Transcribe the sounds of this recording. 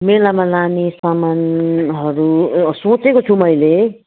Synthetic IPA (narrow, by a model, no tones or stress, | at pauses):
melamalanisamanɦʌɾusõt͡sekot͡sʰumʌjle